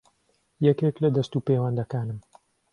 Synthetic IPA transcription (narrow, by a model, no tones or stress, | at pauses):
jɛkeklɐd̪ɐst̪uːpewɐnd̪ɐkaːnɨm